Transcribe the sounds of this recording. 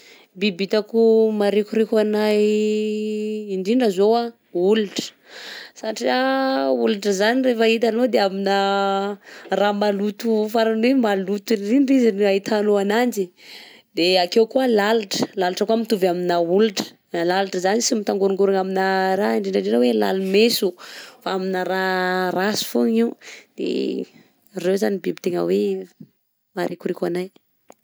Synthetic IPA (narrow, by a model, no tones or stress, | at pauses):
bibit̪akumaɾekuɾekanaj | iɳɖ͡ʐiɳɖ͡ʐəzoa | uluʈ͡ʂə̥ | saʈ͡ʂiauluʈ͡ʂəzanirefəit̪̬anod̪eaminə | ramalut̪ufaɾanwemalut̪iriɳɖ͡ʐizinait̪ʰanoanand͡ʒi | d̪eakewkuəlalaʈ͡ʂə̥lalaʈ͡ʂəkuamit̪uvaminauliʈ͡ʂə̥ | lalaʈ͡ʂəzanisimit̪aŋɡuɾuŋɡuɾaŋaminəɾaiɳɖ͡ʐeɳɖ͡ʐaɖ͡ʐenawela̰lumesufaaminəɾarasu̥foŋid̪̥ḛ | rewzanibibi̥t̪eŋə̰we | maɾʔekuɾekʲanaj